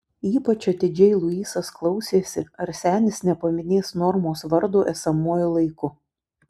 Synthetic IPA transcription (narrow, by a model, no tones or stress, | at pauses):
iːpɐt͡ʃɐt̪ʲɪd͡ʒʲɛɪlˠʊiːsɐsklˠɒʊsʲeːsʲɪɐɾsʲæːnʲɪsnʲɛpɐmʲɪnʲeːsnɔɾmoːsʋɐɾd̪oːʔɛsɐmuɔjʊlˠɐɪkʊ